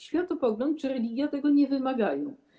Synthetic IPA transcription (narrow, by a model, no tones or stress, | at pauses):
ɕfʲjat̪ɔpɔɡlɔnt̪̚t͡ʂɘɾɛlʲiɡʲjat̪ɛɡɔɲɛvɘmaɡajɔ̃w̃